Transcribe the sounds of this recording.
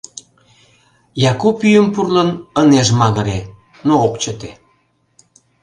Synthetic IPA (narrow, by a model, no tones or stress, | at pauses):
jɑkupyjəmpurlənəneʒmɑɣə̆ɾe | nookt͡ɕət̪e